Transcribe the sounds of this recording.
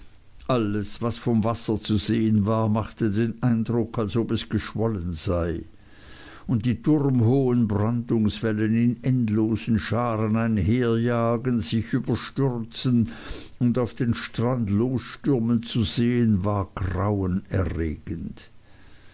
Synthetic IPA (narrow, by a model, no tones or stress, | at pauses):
ʔaləsv̥asfɔmvasɐt͡suzeːənvaːɐmaχtədeːnaɪndʁʊkʰalsopɛsɡ̥əʃvɔlənz̥aɪ | ʊnt̚d̥iːtʰʊʁmɦoːənbʁandʊŋsv̥ɛlənɪnɛntloːzn̩ʃaːʁənaɪnɦeːɐjaːɡənz̥ɪçʔyːbɐʃtʏʁt͡sən | ʊndaʊfd̥eːnʃtʁ̥andloːsʃtʏʁmənt͡suzeːənvaːɐɡ̥ʁaʊənɛɐʁeːɡ̥ənt